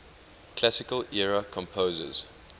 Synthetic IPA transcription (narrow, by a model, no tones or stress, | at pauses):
kʰlasɪkəlɛɹəkʰɔ̃mpʰoːzə̰z̥